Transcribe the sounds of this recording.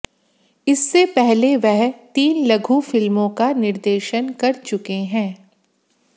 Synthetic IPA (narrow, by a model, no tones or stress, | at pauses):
ɪsːepɛɦleʋɛɦt̪iːnlɐɡʱufɪlmõkanɪɾd̪eːʃənkɐɾt͡ʃʊkeɦɛ̃ː